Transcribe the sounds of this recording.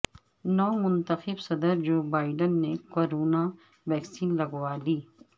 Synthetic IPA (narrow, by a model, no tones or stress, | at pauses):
nɔːmʊnt̪əxɪbsɐd̪əɾd͡ʒoːbaːɪɖənːekoːɾoːna | ʋɛːksiːnlɐɡwaːliː